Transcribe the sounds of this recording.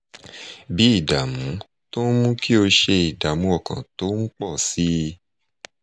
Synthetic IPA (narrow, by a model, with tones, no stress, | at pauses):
bi˨˦i˦˨da˨mũ˨˦ | to˦mũ˦ki˦o˧ʃe˧i˨da˨mũ˨˦ɔ˦˨kã̰˨to˨˦ŋ̩˦k͡pɔ˦˨si˦